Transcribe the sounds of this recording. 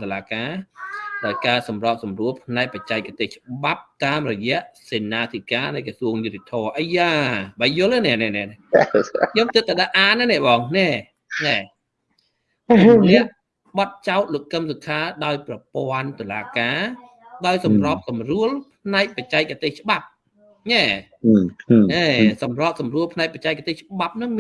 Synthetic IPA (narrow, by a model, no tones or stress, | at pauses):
t̪olaːkaːɗaɔjkaːsɑmrop̚sɑmruəlpʰnaɛk̚pac̚t͡ɕaɛk̚kat̪eːht͡ɕə̆ɓap̚t̪aːmrɔjɛ̆əʔseːnaːt̪ʰikaːnɨjkɔsuəŋjut̪ːet̪ʰɔəʔəjːaːɓaːjʊ̆ələnɛ̆əʔnɛ̆ʔnɛʔnɛ | joːmt̪ɨt̪̚ːaɗaʔaːnːanɛəʔɓɑːŋnɛ | na | nɛ̆əʔ | ɓɑt̪̚t͡ɕaʊt̪̚loːkkːəmsokʰaːɗaɔjprɑpoənt̪olaːkaː | ɗaɔjsɑmrŏəp̚sɑmruəlpʰnaɛk̚pəc̚t͡ɕaɛk̚ʔat̪eːht͡ɕə̆ɓap̚ | na | ʔɛːsɑmroəp̚sɑmruəlpʰnaɛk̚pact͡ɕaɛk̚ːat̪eːht͡ɕəɓap̚nɨŋ